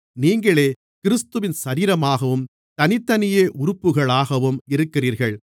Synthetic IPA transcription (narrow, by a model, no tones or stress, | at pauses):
niːŋɡɐɭeː | kɪɾɯst̪ɯʋɪnsɐɾiːɾɐmaːɣɐʋɯm | t̪ɐnɪt̪ːɐnɪjeːʔʊɾʊpːɯɣɐɭaːɣɐʋɯmɪɾɯkːɪriːɾɣɐɭ